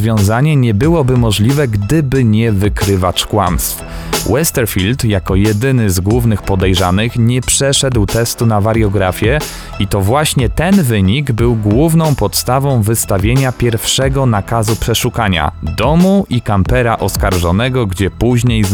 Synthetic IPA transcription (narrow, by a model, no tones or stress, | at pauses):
vʲjɔ̃w̃zaɲɛɲɛbɘwɔbɘmɔʐlʲivɛɡd̪ɘbɘɲɛvɘkɾɘvat͡ʂkwa̰mst̪f | wɛst̪ɛɾfʲilt̪jakɔjɛd̪ɘnɘzɡwuvnɘxpɔd̪ɛjʐanɘxɲɛpʂɛʂɛd̪wt̪ɛst̪unavaɾjɔɡɾafʲjɛ | it̪ɔvwaɕɲɛt̪ɛnvɘɲiɡbɘwɡwuvnɔ̃w̃pɔt̪st̪avɔ̃w̃vɘst̪avʲjeɲapʲjɛɾfʂɛɡɔnakazupʂɛʂukaɲa̰d̪ɔmuʔikampɛɾaʔɔskaɾʐɔnɛɡɔɡd͡ʑɛpuʑɲej